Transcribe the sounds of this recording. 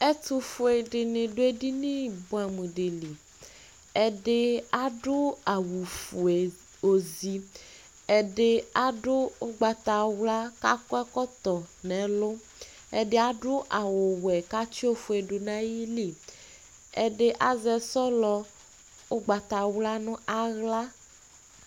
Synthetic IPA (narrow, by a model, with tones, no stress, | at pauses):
e˦t̪u˦fo˨e˨ɖɪ˨nẽ˨ɖo˦e˦ɖi˦nĩ˦bo˨˦a˨mũ˨ɖe˨li˨ | ɛ˨ɖe˦a˦ɖo˦a˨wu˨fu˨e˨ | o˨zi˨ | e˨ɖe˦a˦ɖo˦o˦ɡ͡ba˨t̪a˨wla˦ka˦kɔ˦ɛ˦kɔ˦t̪ɔ˨nɛ̃˨lo˦ | ḛ˨ɖe˦a˨ɖo˦ʔa˨wo˨wɛ˨ka˦t͡ʃi˦o˦fu˨e˨ɖo˨nã˦ji˦li˦˨ | ḛ˨ɖe˦ʔa˨zɛ˨sɔ˦lɔ˦ | o˦ɡ͡ba˨t̪a˨wla˦nũ˦ʔa˦ɣla˦